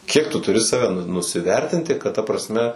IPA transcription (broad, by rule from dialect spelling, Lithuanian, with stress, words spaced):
ˈkʲiɛk tʊ tʊˈrʲɪ ˈsɑːʋʲɛ nʊsʲɪˈʋʲɛrʲtʲɪnʲtʲɪ kɐt tɐ prɐsʲˈmʲɛ